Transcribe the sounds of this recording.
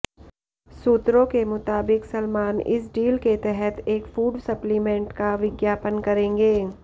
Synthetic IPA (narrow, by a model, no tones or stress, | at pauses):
suːt̪ɾõkemʊt̪aːbɪksɐlmaːnɪ̰s̬ɖiːlket̪ɛɦɛt̪ʰeːkfuːɖsɐplimɛ̃ːɳʈkaʋɪɡjaːpənkɐɾẽːŋɡeː